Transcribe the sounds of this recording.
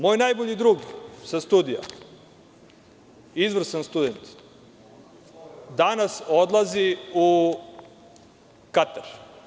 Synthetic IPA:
mo̞ːjnajboʎid̪ɾuːɡsast̪ud̪ija̰ | izʋr̩sanst̪ud̪ent̪ | d̪anasod̪lˠaziu | kat̪aɾ

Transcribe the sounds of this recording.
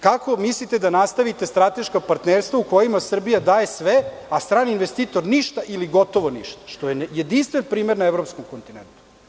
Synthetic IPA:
kako̞mislit̪ed̪anast̪aʋit̪e̞st̪ɾat̪e̞ʃkapaɾt̪neːɾst̪vʋaukojimasr̩bijad̪aːje̞sʋeast̪ɾaːniinʋest̪iːt̪o̞ɾniʃt̪aʔiliɡo̞t̪o̞ʋoniʃt̪ḁʃt̪ojenjed̪inst̪ʋenpɾiːmeɾnaevɾopskomko̞nt̪inḛnt̪u

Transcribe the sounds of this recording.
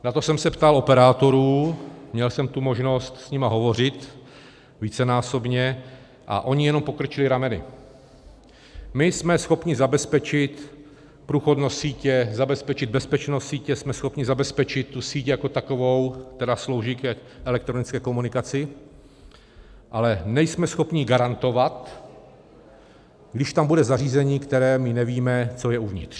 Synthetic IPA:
nat̪o̞sɛmsɛpt̪alʔo̞pɛɾaːt̪o̞ɾuːmɲɛlsɛmt̪umoʒno̞st̪sɲɪmaɦo̞vo̞r̝ɪt̪ | viːt͡sɛnaːso̞bɲɛ | ʔa̰ʔo̞ɲɪjɛno̞mpo̞kɾ̩t͡ʃɪlɪɾamɛnɪ̰ | mɪsmɛsxo̞pɲɪzabɛspɛt͡ʃɪt̪ | pɾuːxodnossiːcɛzabɛspɛt͡ʃɪd̪̚bɛspɛt͡ʃnossiːcɛsmɛsxo̞pɲɪzabɛspɛt͡ʃɪt̪ːusiːcjako̞t̪ako̞vo̞wt̪ɛdaslo̞wʒikɛʔɛlɛkt̪ɾonɪt͡skɛːko̞munɪkat͡sɪ | ʔalɛnɛjsmɛsxo̞pɲɪɡaɾant̪o̞vat̪ | ɡdɪʃt̪ambudɛzariːzɛɲiːkt̪ɛɾɛːmɪnɛviːmɛt͡so̞jɛuvɲɪ̰t̪r̥

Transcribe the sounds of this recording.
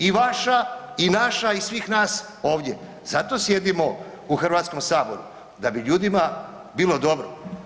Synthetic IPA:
iʋaʃainaʃaisʋiːxnaːs | o̞ːʋd̪ʲje̞̰ | zat̪o̞sje̞d̪imo | uxr̩ʋat̪sko̞msaːbo̞̰ɾṵ | d̪abiʎuːd̪ima | biːlˠo̞d̪o̞bɾo̰

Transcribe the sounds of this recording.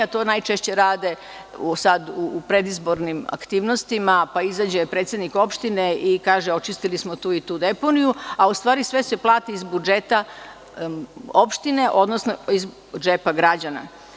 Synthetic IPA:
at̪oːnajt͡ʃeʃt͡ɕeɾaːd̪e̞ | usad̪uːpɾed̪izbo̞ɾnima̰kt̪iːʋno̞st̪imapaizad͡ʑepɾet̪sjed̪niko̞pʃt̪ineikaːʒeo̞t͡ʃist̪ilismo̞t̪uːit̪uːd̪e̞po̞nijuaust̪ʋaːɾisʋe̞se̞plˠaːt̪iizbud͡ʒet̪a | opʃt̪ine̞ʔo̞d̪nosnoiz | d͡ʒepaɡɾad͡ʑana̰

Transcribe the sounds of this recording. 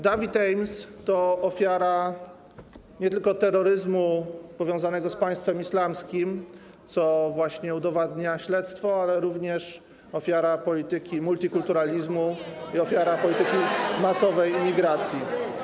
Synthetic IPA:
d̪avʲit̪ɛjmst̪ɔɔfʲjaɾa | ɲɛt̪ɘlkɔt̪ɛɾːɔɾɘzmupɔvʲjɔ̃w̃zanɛɡɔspaj̃st̪fɛmislamskʲim | t̪sɔvwaɕɲɛud̪ɔvad̪ɲaɕlɛt̪st̪fɔalɛɾuvɲɛʂ | ɔfʲjaɾapɔlʲit̪ɘkʲimult̪ʲikult̪uɾalʲizmuiɔfʲjaɾapɔlʲit̪ɘkʲimasɔvɛjmʲiɡɾat̪sʲji

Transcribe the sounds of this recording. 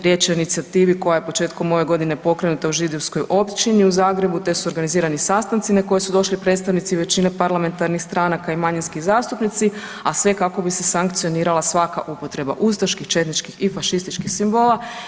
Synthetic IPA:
ɾje̞t͡ʃo̞init̪siat̪iːʋiko̞jaje̞po̞t͡ʃe̞ːt̪ko̞mo̞ʋe̞ɡo̞d̪ine̞po̞kɾe̞nut̪auʒid̪oʋsko̞jʔo̞pt͡ʃiniuzaːɡɾe̞but̪e̞suo̞ɾɡaniziːɾanisast̪ant̪sinako̞jesud̪o̞ʃlipɾet̪st̪aʋnit̪siʋe̞t͡ɕine̞paɾlame̞nt̪aɾnixst̪ɾanakaimaɲinskizaːst̪upnit̪si | asʋe̞kako̞bise̞saŋkt̪sijo̞niːɾalˠasʋaka̰ʔupo̞t̪ɾe̞ba̰ʔust̪aʃkixt͡ʃe̞t̪nit͡ʃkixifaʃist̪it͡ʃkixsimbo̞lˠa

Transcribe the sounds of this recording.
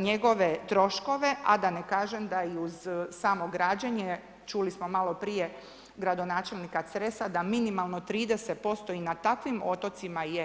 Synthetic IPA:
ɲeɡo̞ʋe̞t̪ɾo̞ʃko̞ʋe̞ʔa̰d̪anekaːʒemd̪aiuzsaːmo̞ɡɾaːd͡ʑaɲe | t͡ʃulismo̞malˠo̞pɾije̞ | ɡɾad̪o̞naːt͡ʃe̞lnikasɾesad̪aminimalˠno̞t̪ɾiːd̪eset̪̚po̞st̪o̞inat̪akʋimo̞t̪o̞t̪simaje

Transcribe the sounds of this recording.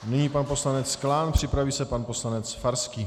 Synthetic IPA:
nɪɲiːpanpo̞slanɛt͡sklaːnpr̝̥ɪpɾaviːsɛpanpo̞slanɛt͡sfaɾskiː

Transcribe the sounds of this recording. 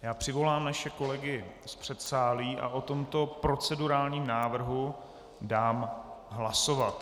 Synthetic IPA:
jaːpr̝̥ɪvo̞laːmnaʃɛko̞lɛɡɪ | spr̝̥ɛt̪saːliːʔa̰ʔo̞t̪o̞mt̪o̞pɾo̞t͡sɛduɾaːlɲiːmnaːvr̩ɦu | daːmɦlaso̞vat̪

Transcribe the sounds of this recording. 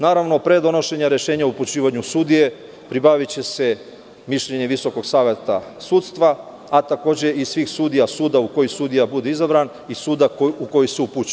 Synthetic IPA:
naːɾaʋno̞pɾe̞d̪o̞no̞ʃe̞ɲaɾe̞ʃe̞ːɲauput͡ɕiːʋaɲusud̪ije̞ | pɾibaʋit͡ɕe̞se | miʃʎe̞ɲe̞ʋiso̞ko̞ɡsaːʋjet̪asuːt̪st̪ʋaː | t̪ako̞ːd͡ʑe̞ʔisʋiːxsuːd̪ijasuːd̪auko̞jisud̪ijabud̪eizabɾan | isuːd̪auko̞jiseuput͡ɕ

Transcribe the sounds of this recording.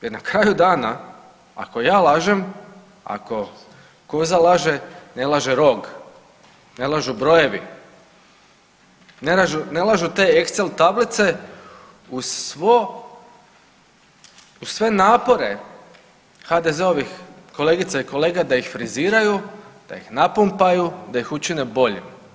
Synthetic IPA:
jeɾnakɾaːjud̪aːna | a̰ko̞jaːlaːʒem | a̰ko̞ | kozalˠaːʒene̞lˠaʒeɾo̞ɡ | ne̞lˠaʒubɾo̞je̞ʋḭ | nelaʒune̞lˠaʒut̪e̞ːeksselt̪ablit̪se̞ | usʋo | usʋe̞naːpo̞ɾe̞ | xad̪e̞ze̞o̞ʋixko̞leɡit̪saiko̞le̞ːɡad̪aixfɾiziːɾajud̪̥a̰jixnapumpajud̪aixut͡ʃine̞bo̞ʎḭm

